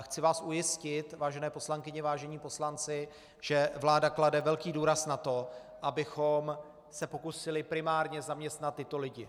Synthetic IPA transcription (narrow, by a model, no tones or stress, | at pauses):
xt͡sɪvaːsʔujɪscɪt̪vaːʒɛnɛːpo̞slaŋkɪɲɛvaːʒɛɲiːpo̞slant͡sɪ | ʒ̥ɛvlaːdakladɛvɛlkiːduːɾasnat̪o̞ | ʔabɪxo̞m | sɛpo̞kusɪlɪpɾɪmaːɾɲɛzamɲɛst̪nat̪ːɪt̪o̞lɪɟɪ